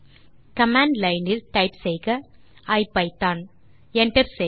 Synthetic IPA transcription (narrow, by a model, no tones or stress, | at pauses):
kɐmaːɳɖlɐɪnɪlʈɐɪpsɛjɣɐ | ɐɪpːɐɪt̪ːaːn | ɛɳʈɐɾsɛ